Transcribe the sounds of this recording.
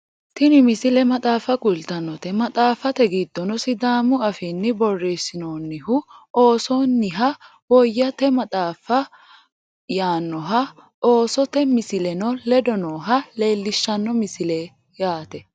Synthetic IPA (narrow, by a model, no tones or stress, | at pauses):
t̪ɪnɪmɪsɪlɛmɐt̪ʼaːfɐkʊlt̪ɐnːɔt̪ɛmɐt̪ʼaːfɐt̪ɛɡɪd̪ːɔnɔsɪd̪aːmʊɐfɪnːɪbɔrːeːsɪnoːnːɪhʊoːsoːnːɪɦɐ | wɔjːɐt̪ɛmɐt̪ʼaːfɐ | jaːnːɔɦɐ | oːsɔt̪ɛmɪsɪlɛnɔlɛd̪ɔnoːɦɐle̞ːlːɪʃːɐnːɔmɪsɪleː | jaːt̪ɛ